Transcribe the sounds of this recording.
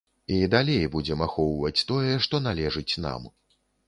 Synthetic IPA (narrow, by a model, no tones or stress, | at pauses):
id̪alʲejbud͡zʲɛmaxɔwvɐt͡sʲt̪ɔjɛʂt̪ɔnalʲɛʐɨt͡sʲna̰m